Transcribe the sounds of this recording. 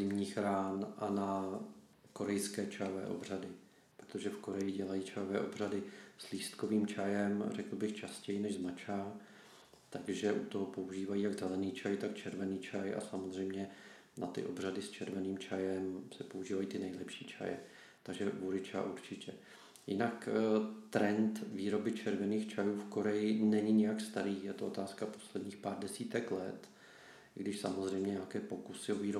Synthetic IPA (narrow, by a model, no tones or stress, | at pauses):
zɪmɲiːxɾaːnʔana | ko̞ɾɛjskɛːt͡ʃajovɛ̰ːʔo̞̰bradɪ | pɾot̪oʒɛfko̞ɾɛjɪɟɛlajiːt͡ʃajovɛːʔo̞br̝adɪsliːst̪ko̞viːmt͡ʃajɛmrɛkl̩bɪxt͡ʃascɛjɪnɛʒzmat͡ʃa | t̪aɡʒɛʔut̪oɦopo̞uʒiːvajiːjaɡzɛlɛniːt͡ʃajt̪akt͡ʃɛɾvɛniːt͡ʃʰajʔa̰samozr̝ɛjmɲɛ | na̰t̪ɪ̰ʔo̞br̝adɪst͡ʃʰɛɾvɛniːmt͡ʃajɛmsɛpouʒiːvajiːt̪ɪnɛjlɛpʃiːt͡ʃʰa̰jɛ̰ | t̪aɡʒɛvuɾɪt͡ʃa̰ʔuɾt͡ʃɪcɛ | jɪ̰nakt̪ɾɛnt̪viːɾo̞bɪt͡ʃɛɾvɛniːxt͡ʃajuːfko̞ɾɛjɪnɛɲɪɲɛjakst̪aɾiːjɛt̪oʔo̞t̪aːskapo̞slɛdɲiːxpaːɾdɛsiːt̪ɛklɛt̪ | ɪɡdɪʃsamozr̝ɛjmɲɛɲakɛːpo̞kusɪo̞viːɾo